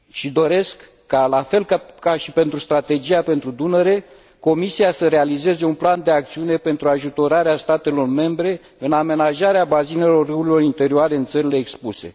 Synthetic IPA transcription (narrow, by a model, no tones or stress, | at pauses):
ʃid̪o̞ɾe̞skː | alafe̞lkakaʃipe̞nt̪ɾust̪ɾat̪e̞d͡ʒijape̞nt̪ɾud̪unəɾe̞ | ko̞misiasəɾe̞alize̞ze̞unpland̪e̞akt̪siune̞pe̞nt̪ɾuaʒut̪o̞ɾaɾeast̪at̪e̞lo̞rme̞mbɾe̞ | ɨname̞naʒaɾeabazine̞lo̞rːɨuɾilo̞rint̪e̞ɾioaɾe̞ɨnt̪səɾile̞ːkspuse̞̰